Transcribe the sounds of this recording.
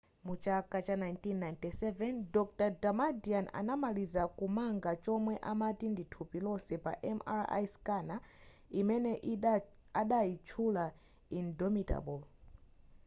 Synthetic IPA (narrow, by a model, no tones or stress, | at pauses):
mut͡ʃakʼat͡ʃanajntinːajntʼɛsɛvɛndɔktadamadiana̰namalizakumaŋɡat͡ʃɔmwɛʔamatinditʰupilɔsɛpa̰ʔɛma̰ɾa̰jskʼana | imɛnɛʔ | aɗait͡ʃʰula | indɔmita̰bɔl